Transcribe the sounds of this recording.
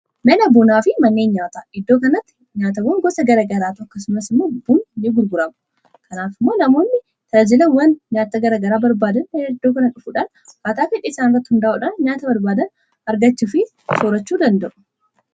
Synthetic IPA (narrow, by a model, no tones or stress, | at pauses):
nɐnɐbunaːfɪmɐnːeːnɲaːt̪aːɪd̪ːoːkɐnɐt̪ːɪ̥ | ɲaːt̪ɐwɐŋɡɔsɐɡɐɾɐɡɐɾaːt̪ʊɐkːɐs̬ʊmɐsɪmːoːbunnːeɡʊɾɡʊɾɐmʊ̥ | kʰɐnaːfɪmːoːnɐmo̞ːnːɪ | t̪ʰɐɐd͡ʒɪlɐnwɐnɲaːt̪ːɐɡɐɾɐɡɐɾaːbɐɾbaːd̪ɐned̪ːoːkɐnɐᶑʊfuːᶑaːn | waːt̪aːfɪᶑːɪɪsaːnɪrːɐt̪ːɪhʊnd̪ɐʔuːᶑaːnɲaːt̪ɐbɐɾbaːd̪ɐn | ɐɾɡɐt͡ʃːʊfɪ | soːɾɐt͡ʃːuːd̪ɐnd̪ɐʔʊ̥